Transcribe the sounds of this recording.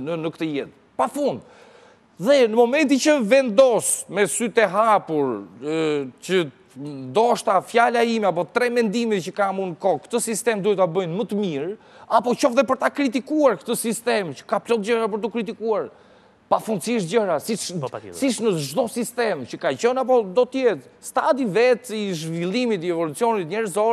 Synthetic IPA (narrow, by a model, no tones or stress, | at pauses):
nənəkət̪əjɛt̪̚ | pafund̪ | ðɛnəmɔmɛnt̪it͡ʃəvɛnd̪ɔsmɛsyt̪ɛɦapuɾ | t͡ʃə | nd̪ɔʃt̪afjalaimɛap̬ɔt̪ɾɛmɛnd̪imicəkamunkɔkt̪əsist̪ɛmd̪uɛt̪abəjnmət̪əmiɾ | apɔt͡ʃɔfðɛp̬əɾt̪akɾit̪̬ikuaɾkə̥t̪əsist̪ɛmcə̥kaplɔld͡ʑəɾapəɾt̪ukɾit̪ikuaɾ | pafund̪siʃd͡ʑəɾasisiʃnəʒd̪ɔsist̪ɛmcəkat͡ɕɔnap̬ɔd̪ɔt̪əjɛt̪st̪ad̪ivɛt̪iʒvilˠimit̪iɛvɔlut͡siɔnit̪ɲɛɾzɔɾ